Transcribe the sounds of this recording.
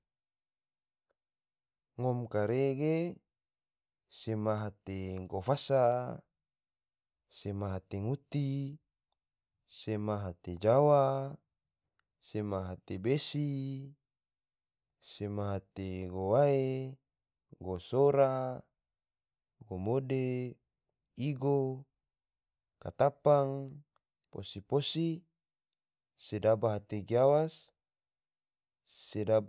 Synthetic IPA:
ŋɔmkaɾeɡe | semaɦat̪eŋɡofasa | semaɦat̪eŋut̪i | semaɦat̪ed͡ʒawa | semaɦat̪ebesi | semaɦat̪eɡowae | ɡosoɾa | ɡomode | iɡo | kat̪apaŋ | po̰siposi | sedabaɦat̪eɡiawas | seda

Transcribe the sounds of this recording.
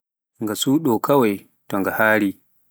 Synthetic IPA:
ŋɡasuːɗɔkɐwaj | tɔŋɡahaːɽiː

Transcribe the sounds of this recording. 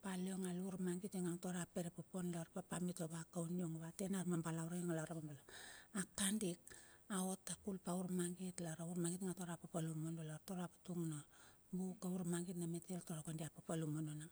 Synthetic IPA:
paleoŋaluɾmaŋɡiteŋaŋtoɾapeɾepoponloɾpapamitoβakawnioŋoβate̞naɾmambalawɾajoŋalaɾamambalaakandik̚aotːakulpauɾmaŋɡitlaɾauɾmaɡitŋatoɾapapalumonoloɾtoɾapatuŋno | bukauɾmaŋɡitnameteltoɾakondiapapalumonona

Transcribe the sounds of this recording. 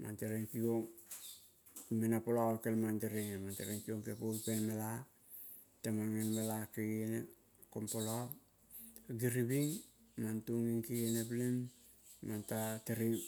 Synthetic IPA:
ma̰nteɾeŋkioŋ | menapolakelmanteɾeŋemanteɾeŋkioŋkepojpenmela | tamaŋenmelakeene | kompolap | ɡiɾibiŋmantuŋiŋkieneplem | mantateɾi

